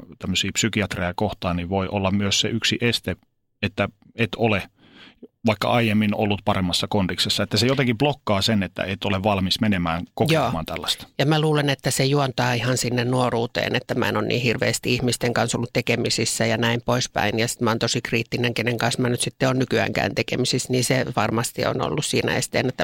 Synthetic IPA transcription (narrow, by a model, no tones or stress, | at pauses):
t̪æmːøsiːpsykiɑt̪rejɑkoht̪ɑːnniʋoiʔolːɑmyøssḛyksiʔest̪e | et̪ːæ | et̪ole | ʋɑikːɑ̰ɑijemːino̰lːut̪pɑremːɑsːɑkondiksesːɑet̪ːæsejot̪eŋkib̥lokːɑːsenet̪ːæ̰et̪oleʋʋɑlmismenemæːŋkojkeoːmɑ̰ːnt̪ælːæst̪ɑ̥jɑmæluːlenet̪ːæsejuont̪ɑːihɑnsinːennuoruːt̪ḛːnet̪ːæmæ̰enonnḭːhirʋḛːst̪iihmist̪eŋkɑnso̰lːut̪t̪ekemisisːæjɑnæimpoispæ̰injɑsi̥t̪mɑːnt̪osikriːt̪ːineŋkeneŋkɑnsmænyt̪sit̪ːeonnykyæ̰ːŋkæ̰ːnt̪ekḛmisisniːseʋɑrmɑst̪ḭo̰no̰lːussiːnæ̰ḛst̪ḛːnet̪ːæ